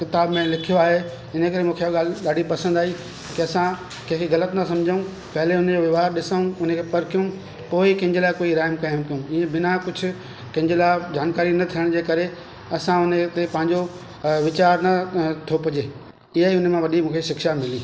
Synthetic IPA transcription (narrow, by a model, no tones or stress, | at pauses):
kɪt̪aːbmẽlɪkʰijoaːɦe | ɪnə̆kɐɾemũːkʰeɠaːlɗaːɖʱipɐsə̃nd̪aːi | kiɐsã | kɐ̃ːkʰiɣɐlət̪nɐsɐmd͡ʑʱəũ | pɐɦɪleʊnd͡ʑoʋɪʋaːaɾɗɪsaːũʊn̤əkʰepɐɾkijũ | poːikɐ̃ɪ̃ɲd͡ʑelaːɪkoːiɾaːɪmkaːɦɪmkijũiːẽbɪnakʊd͡ʑʱʊ̆ | kɐ̃ɦɪ̃ɲd͡ʑelaːɪd͡ʑaːnkaːɾinɐt̪ʰiəɽ̃d͡ʑeːkɐɾe | ɐsãʊnt̪epɐ̃ɦɪ̃ɲd͡ʑo | ʋɪt͡ɕaːɾnɐt̪ʰopɐd͡ʑeː | ɪɦaiʊnə̆mãʋɐɗimũːkʰeʃɪkʃamɪliː